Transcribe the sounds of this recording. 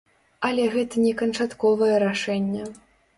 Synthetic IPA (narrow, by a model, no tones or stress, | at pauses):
ɐlʲɛɣɛt̪ɐnʲɛkɐnt͡ʂat̪kɔvɐjɛɾaʂɛnʲːɛ